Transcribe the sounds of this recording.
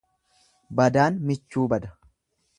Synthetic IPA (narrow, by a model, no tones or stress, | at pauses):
bɐd̪aːnmɪt͡ʃːuːbɐd̪ɐ̥